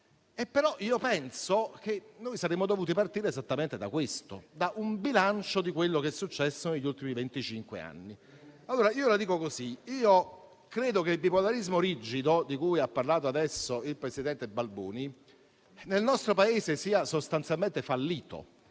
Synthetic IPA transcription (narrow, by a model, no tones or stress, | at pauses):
epːeɾɔʔiːopɛnsok̟enːoːjsaɾemod̪ovuːt̪̬ipart̪iːɾeːzat̪ːament̪ed̪a̰kwest̪o̰d̪aʔumbilant͡ʃod̪ikwelːokesːut͡ʃːɛsːoneʎːult̪imivent̪it͡ʃiŋkwḛa̰nːi | alːoːɾaiːolad̪iːkokoziiːo | kɾeːd̪okelbipolaɾizmoɾid͡ʒid̪od̪ikujapːarlaːt̪oad̪ɛsːoilpɾesid̪ɛnt̪ebalbṵːni | nelnɔst̪ɾopaeːzesiːasost̪ant̪sjalment̪efalːiːt̪o̰